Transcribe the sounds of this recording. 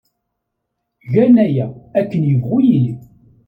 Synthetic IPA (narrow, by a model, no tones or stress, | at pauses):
ʝænæjæækːənjəvʁʊjili